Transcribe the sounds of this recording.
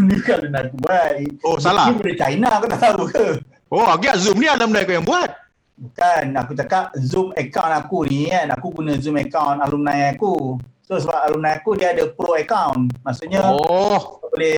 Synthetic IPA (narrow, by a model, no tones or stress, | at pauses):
nukalunajkubaʔosalaibolet͡ʃa̰inakət̪aaukə | ʔoaɡiazumnialəmnajkɔjaŋbuat̚ | kanakut͡ʃakap̚zumɛkawnakuniana̰kuɡunəzumɛkawnalumnãjakusosəbap̚ʔalumnãjakudiadəpɾoɛkawnmaʔksuʔɲa | bole